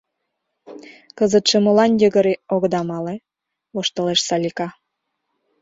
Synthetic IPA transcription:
kəzət̪ʃemolɑnjəɣə̆ɾeoɣd̪ɑmɑle | βoʃt̪ə̆leʃsɑlʲikɑ

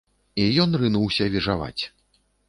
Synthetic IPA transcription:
ijɔnrɨnuwsʲɐvʲiʐava̰t͡sʲ

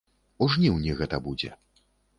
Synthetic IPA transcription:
uʐnʲiwnʲiɣɛt̪ɐbud͡zʲɛ̰

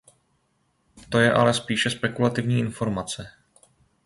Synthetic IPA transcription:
t̪o̞jɛʔa̰lɛspiːʃɛspɛkulat̪ɪvɲiːʔɪnfo̞ɾmat͡sɛ

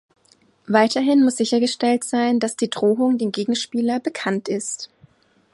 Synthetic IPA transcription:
vaɪtɐɦɪnmʊsz̥ɪçɐɡəʃtɛltz̥aɪndasd̥iːdʁoːʊŋdeːmɡeːɡŋ̩ʃpiːlɐbəkʰantɪst

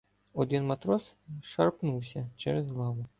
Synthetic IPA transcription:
ɔd̪ɪnmɐt̪ɾɔs | ʃɐrpnuwsʲɐt͡ʃɛ̰ɾɛzɦlˠɑʋʊ

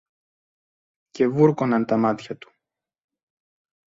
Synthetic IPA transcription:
ce̞vuɾkonɐnt̪ɐmɐt̪çɐt̪u̥

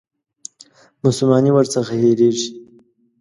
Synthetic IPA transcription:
mʊsʊlmɑniwəɾt͡saxaɦeɾeʐi

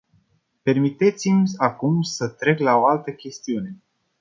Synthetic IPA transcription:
pe̞rmit̪e̞t̪simakumsət̪ɾe̞klao̞alt̪əkʲe̞st̪iune̞

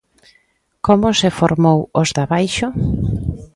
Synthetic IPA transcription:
komʊsɪfoɾmowozðaβajʃʊ

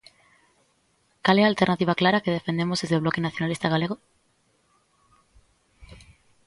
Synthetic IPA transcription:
kalealt̪e̞ɾnat̪iβ̞aklaɾake̞ð̞e̞fe̞nd̪e̞mozðe̞zðe̞βlo̞kenaθjo̞nalist̪aɣale̞ɣ̞o

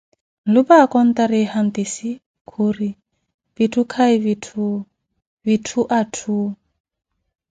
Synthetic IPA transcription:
n̩lupakɔn̩t̪aɾehant̪esi | kʰuri | v̥itʰukʰaiβitʰu | vitʰuʔatʰu

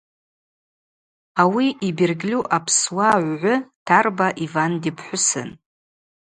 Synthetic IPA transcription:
awiʔibirɡlʲuʔapʰswaʕʷʕʷʊtʰarbaʔivandipʰħʷʊsɨ̰n

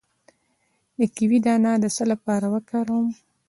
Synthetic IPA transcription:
nikiwid̪ɑnɑd̪əsəlapɑɾawəkaɾom

